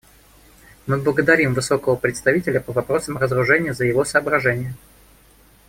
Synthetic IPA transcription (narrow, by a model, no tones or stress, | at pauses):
mɨblˠəɡəd̪ɐɾʲimvɨso̞kəvəpɾʲɪt̪st̪ɐvʲitʲɪlʲəpəvɐpɾo̞səmrəzɾʊʐɛnʲɪjəzəjɪvo̞səːbɾɐʐɛnʲɪjə